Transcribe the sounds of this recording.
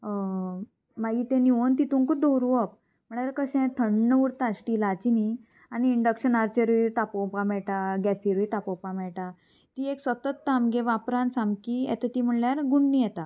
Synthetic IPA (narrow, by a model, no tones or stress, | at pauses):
maɡiːt̪ẽniont̪it̪ũnkud̪oɾuʋəp̚ | m̤əɳ̃aɾkəɕɛ̃t̪ʰəɳːəʋuɾt̪aɕʈilat͡ɕini | aniːɳɖəkɕənaɾt͡ɕəɾit̪apɔwpamɛɭʈaɡɛsiɾit̪apɔwpamɛɭʈa | t̪iːeksʋət̪ət̪ːamɡeʋapɾãnsamkiɛ̰t̪ət̪im̤əɳljaɾɡuɳːijɛt̪a